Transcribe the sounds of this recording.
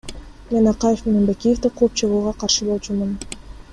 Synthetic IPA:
mʲenɑqɑjefmenebekʲijeft̪iqʰoːp̚t͡ʃʰɯʁuːʁɑqʰɑɾʃɯbo̞lˠt͡ʃumun

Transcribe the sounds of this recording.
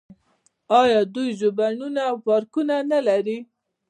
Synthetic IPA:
ɑjɑd̪ujʒʊbanunaxaɾkunanalaɾi

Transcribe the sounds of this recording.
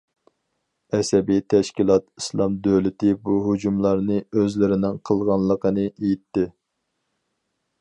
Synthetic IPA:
ɛsɛbit̪ʰɛʃkʲilˠɑt̪islˠɑmd̪øwlɪt̪ɪbuɦud͡ʒumlˠɑɾnɨøzlɪɾɪnɪŋqʰəlˠʁɑnlˠəqʰənɨejit̪ːɪ

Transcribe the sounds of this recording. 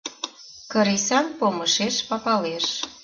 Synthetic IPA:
kə̆ɾisɑnpoməʃeʃpɑpɑleʃ

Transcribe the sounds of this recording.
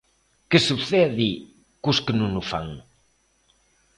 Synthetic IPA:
kesuβθɛði | kuskenunufa̰ŋ

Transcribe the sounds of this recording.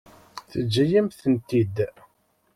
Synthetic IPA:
θəd͡ʒːæjæmθənt̪id̪

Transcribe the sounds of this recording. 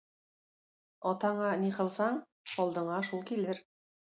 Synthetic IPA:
ɒt̪ɑɴɑniqɤ̆lˠsɑɴ | ɒlˠd̪ɤ̆ɴɑʃulˠkilɘɾ

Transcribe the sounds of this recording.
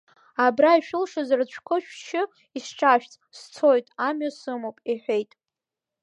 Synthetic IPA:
abraiʃᶣʊlʂazrɨt͡ɕʷʰkʷʰɨʃᶣʃʰɪ | isʈ͡ʂʰʼaʃᶣt͡sʼst͡sʰojtʼamɥasɨmowpʼiħʷᶣe̞jtʼ

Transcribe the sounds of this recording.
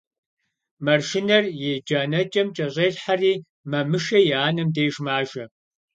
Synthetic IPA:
mɐrʃɪnɐrjed͡ʒaːnɐt͡ʃʼɐmt͡ʃʼɐɕʼeːɬħariː | mɐmɨʃɐjɛaːnɐmdejʒmaːʒɐ

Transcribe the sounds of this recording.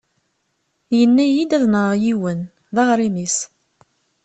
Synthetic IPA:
jənːæjid̪æðnəʁjiwən | ðɑʁɾimis

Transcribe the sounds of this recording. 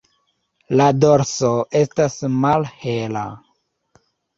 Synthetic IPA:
lado̞ɾsoʔe̞stasmalhe̞la̰

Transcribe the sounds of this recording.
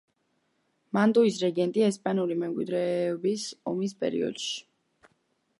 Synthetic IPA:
mant̪ʼuis̬ɾɛɡɛnt̪ʼiɛspʼanulimɛmkʼwḭd̪ɾɛbisɔmis̬pʼɛ̰ɾḭɔ̰d̪̥ʃi̥

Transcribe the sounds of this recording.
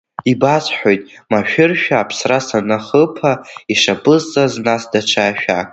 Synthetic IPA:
ibat͡sʼħʷᶣojtʼmaʃᶣʏrʃᶣaːpʰsrasanaχəpʰaiʂapʼɨzt͡sʼaznasdaʈ͡ʂʷʰaʃᶣa̰

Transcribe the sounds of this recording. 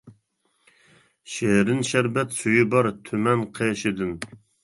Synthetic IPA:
ʃeɾɪnʃæɾbɛt̪syjybɑɾt̪ʰymɛnqʰeʃɪd̪ɪn

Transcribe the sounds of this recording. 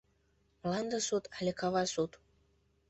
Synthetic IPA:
mlɑnd̪ə̆sut̪ɑlʲekɑβɑsut̪

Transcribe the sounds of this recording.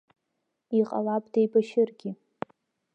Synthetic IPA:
iqʼa̰lapʼdejbaʃɪrɡʲi

